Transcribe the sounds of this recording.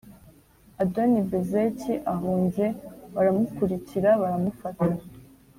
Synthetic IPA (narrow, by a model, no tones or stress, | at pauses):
adonibezeciʔaɦuːnze̞βaɾamukuɾiciɾaβaɾamufata